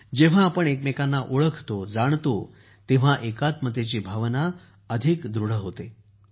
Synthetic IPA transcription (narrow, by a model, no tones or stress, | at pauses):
d͡ʑeʋ̤aːpəɳekmekanːaʔoɭəkʰt̪od͡zaɳ̃t̪o | t̪eʋ̤aʔekat̪mət̪et͡ɕiːbʱaʋna | əd̪ʱikd̪ɾuɽ̤əɦot̪e